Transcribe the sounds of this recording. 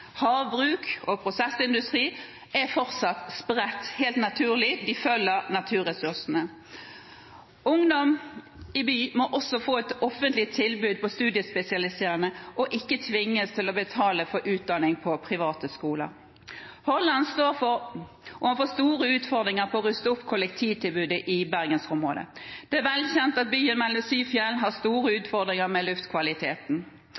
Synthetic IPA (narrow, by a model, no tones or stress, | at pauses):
hɑːʋbʁʉːkɔpʰɾʊsɛsɪnd̪ʉst̪ʁiː | ɛfɔʁt̪sɑt̪spʁɛt̪ːheːlt̪nɑt̪ʰʉːʁlɪd̪ɪfœlːəɾnɑt̪ʰʉːʁɛsʉʁsnə | ʊŋd̪ɔm | ɪbyːmɔʔɔsɔfoːɛt̪ɔfənt̪lɪt̪ʰːɪlbʉːd̪̚pɔst̪ʉːd̪ɪəspɛsɪɑlɪst̪əʁənəʔɔʔɪkːət̪ʰʋɪŋːəst̪ʰɪlɔbət̪ʰɑːləfɔɾʔʉːt̪̚d̪ɑnɪŋpʰɔpʰʁɪʋɑːt̪əskuːlə̰ɾ | hɔlːɑnst̪oːɾfɔɾ | ɔhɑnfoːst̪uːʁəʉːt̪fɔʁd̪ɾʁɪŋəɾpʰɔɔʁʉst̪əʊpːkʰʊlɛkt̪ʰiːʋt̪ʰɪlbʉːd̪əʔɪbæʁɡənsʊmʁo̰ːd̪ə̰d̪̥ɛæʁʋɛlçɛnt̪ɑt̪̚byːənmɛlːɔsyːfjɛlɦɑst̪uːʁəʉːt̪fɔʁd̪ɾɪŋəɾmɛlʉft̪kʰʋɑlɪt̪ʰeːt̪n̩